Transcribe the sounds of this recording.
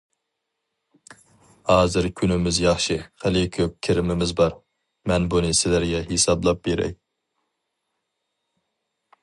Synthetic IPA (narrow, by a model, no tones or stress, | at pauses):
hɑːzɨɾkʲʰynɪmɪzjɑχʃɨχælɪkʲʰøp̚kʲʰɪɾɪmɪmɪzbɑɾ | mɛnbunɨsɪlæɾɡʲɛɦesɑblˠɑp̚beɾɛ̰j